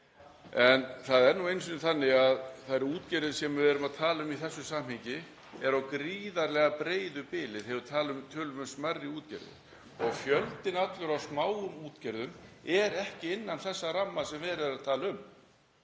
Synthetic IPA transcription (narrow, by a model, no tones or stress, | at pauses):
ɛnθaðɛɾnuejnsʏnʏθanːɪɣaðθaðɾuːt̪cɛɾðʏsɛmːɪvɛːɾʏmaðt̪ʰaːlaʏmiθɛsːʏsam̥hɪɲcɪ | ɛɾawkɾiːðaɾlɛɣapɾeːjðʏpɪːlɪðhɛvʏɾ̥t̪ʰaːlʏmt̪ʰœːlʏmʏmsmarːɪuːt̪cɛ̰ɾðɪ̰ | ɔɣfjœlt̪ɪnat̪lʏɾawsmaːwʏmuːt̪cɛɾðʏmɛɾɛhcɪɪnːanθɛsːaramːasɛmvɛːðɾɪðɾaðt̪ʰaːlaʏm